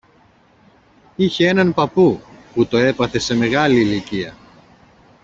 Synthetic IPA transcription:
içee̞nɐnpɐpuput̪o̞e̞pɐθe̞se̞me̞ɣɐliːliciɐ

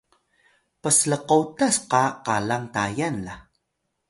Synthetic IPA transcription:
pəsləqotasqaqalaŋtajanla

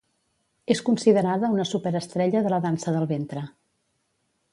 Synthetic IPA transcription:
eskunsiðəɾaðəunəsupəɾəst̪ɾɛʎəðələðansəðəlˠβent̪ɾə

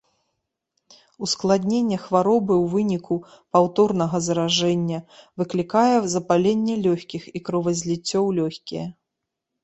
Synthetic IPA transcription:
usklˠad̪ʲnʲenʲːɛxvaɾɔbɨwvɨnʲiku | pawt̪ɔrnɐɣɐzɾaʐɛnʲːɐvɨklʲikajɛzɐpalʲenʲːɛlʲɔxʲkʲixikɾɔvɐzʲlʲit͡sʲːɔwlʲɔxʲkʲijɛ

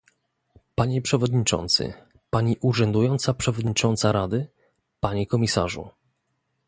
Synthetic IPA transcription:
paɲɛpʂɛvɔd̪ɲit͡ʂɔ̰nt̪sɘ̰ | paɲiʔuʐɛnd̪ujɔnt̪sapʂɛvɔd̪ɲit͡ʂɔnt̪saɾad̪ɘ | paɲikɔmʲisa̰ʐṵ

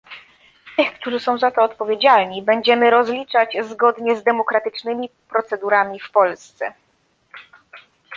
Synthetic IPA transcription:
t̪ɘxkt̪uʐɘsɔ̃w̃zat̪ɔːt̪̚pɔvʲjed͡ʑalɲibɛɲd͡ʑɛmɘɾɔzlʲit͡ʂad͡ʑzɡɔd̪ɲɛzd̪ɛmɔkɾat̪ɘt͡ʂnɘmʲipɾɔt̪sɛd̪uɾamʲifpɔlst̪sɛ

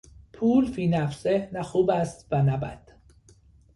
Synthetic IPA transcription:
pʰuːlfiːnæfsenæxuːbæst̪vænæbæ̰d̪̥

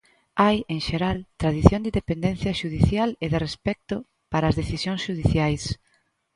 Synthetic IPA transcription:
ajẽŋʃeɾalt̪ɾað̞iθjõnd̪iðepend̪ɛnθjɐʃuðiθjaleðɪrespɛk̚t̪ʊ | paɾɐːzðeθisjõŋsʃuðiθjajs

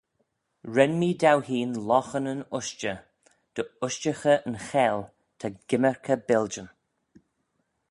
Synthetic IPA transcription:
ɹɛnmiːdawhiːnlɔxənənʊʃt͡ʃə | d̪̥əʊʃt͡ʃəxəʔənxɛːl | t̪ʰaɡ̥ɪməɹkʰəbɛld͡ʒən

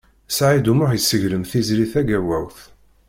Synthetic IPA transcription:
sʕid̪umʊħjəsːəʝləmθizliθæɡæwæwθ

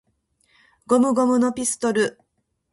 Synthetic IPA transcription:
ɡo̞mɯ̟ɡo̞mɯ̟no̞pʲisɨ̥t̪o̞ɾɯ̟

